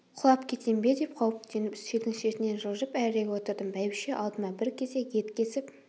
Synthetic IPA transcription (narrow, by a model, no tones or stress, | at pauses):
qʰʊlˠɑpkʲʰe̞t̪embe̞d̪e̞p̚qʰɑwəpd̪enɪpsed̪ɪŋʃet̪ɪne̞nʒəlˠʒəpæɾɪɾeɡʲwo̞t̪əɾd̪əmbæjbɪʃe̞ʔɑlˠd̪əmɑbɪɾkʲʰe̞ze̞je̞t̪kʲe̞sɪp